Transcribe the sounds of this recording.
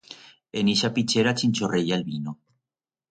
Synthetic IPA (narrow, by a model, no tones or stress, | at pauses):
eniʃapit͡ʃeɾat͡ʃinʲt͡ʃorejalβino